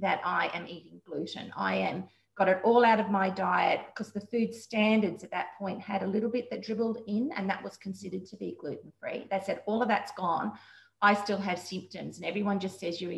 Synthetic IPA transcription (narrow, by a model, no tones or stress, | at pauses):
ðɨɾʔaɪʔɨ̃miɾɪ̃ŋɡlʉɾɨ̰̃na̰ɪɨ̃m | ɡ̥ɑɾɨɾɔlˠaʊɾʌvmaɪdaɪɨt̚b̥ɨ̥kʰʌzðɨfʉdstæ̃ndə˞dzɨt̪̚ðɨt̚pʰɔ̃ɪ̃nt̚ɨɾəlɪɾl̩ˠbɪt̪̚ðɨt̚dɹ̥ɪbl̩ˠdɪ̃nɨ̰̃nðɨ̰ʔ̚wʌz̥kʰn̩sɪɾə˞d̚tʰɨbiɡlʉʔn̩fɹḭðeɪsɛɾɔlˠʌvðɨtsɡ̥ɔ̃n | ʔaɪstɪlˠɨv̥sɪ̃mp̚tɨ̃mzɨ̃nɛvɹiwʌ̃nd͡ʒʌstsɛzjə